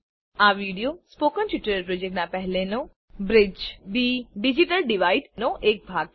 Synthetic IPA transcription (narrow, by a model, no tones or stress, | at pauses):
aʋiːɽijospoːkənʈɪʈːəɾɾpɾod͡ʒek̚ʈnãpɛɦleno | bɾɪd͡ʒbiɖid͡ʒiʈəlɖiʋaːiɖnoʔeːk̚bʱaːɡ̚